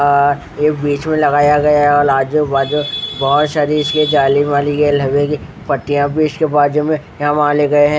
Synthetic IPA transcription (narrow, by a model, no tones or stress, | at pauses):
ɔːɾ | jeːkbiːt͡ʃmẽlɐɡaːjaɡɐjaɦɛɔːɾaːd͡ʒd͡ʒobaːd͡ʒobɐɦʊt̪ʃaɾiɪsked͡ʒaːlimaːliɡeelɐbeki | pɐʈːijãbiːɪt͡ʃkebaːd͡ʒomẽjɦãmãːleɡɐeɦɛ̃ː